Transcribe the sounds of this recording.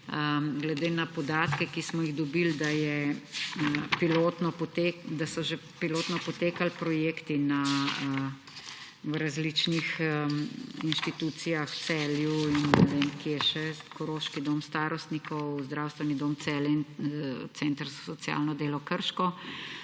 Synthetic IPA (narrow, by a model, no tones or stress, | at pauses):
əɡlɛd̪eːnapɔd̪aːt̪kɛkismɔjiɣd̪ɔbild̪ajɛ | piloːt̪nɔpɔt̪eːd̪asɔʒepiloːt̪nɔpɔt̪eːkalpɾɔjeːkt̪inaə | wɾazlit͡ʃnixəinʃt̪it̪uːt̪sijaxsɛːljuinnɛʋeːmkijɛʃɛkɔɾoːʃkid̪omst̪aːɾɔst̪nikɔwzd̪ɾaːwst̪ʋɛnid̪oːmt̪sɛːlɛint̪ɛnt̪əɾzɔ̥sɔt̪sja̰ːlnɔd̪eːlɔkəɾʃkɔ